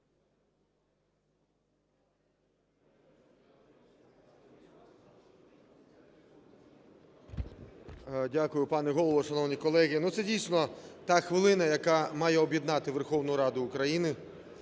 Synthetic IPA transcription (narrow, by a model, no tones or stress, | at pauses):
dʲakʊjʊpɑnɛɦɔlˠɔʋɔʃɐnɔwnʲikɔlˠɛɣinut̪sɛdʲijsnɔt̪ɑxʋɪlˠɪnɐjɐkɑmɑjɛɔbʲjid̪nɑt̪ɪʋerxɔwnʊjʊɾɑd̪ʊːkɾɐjinɪ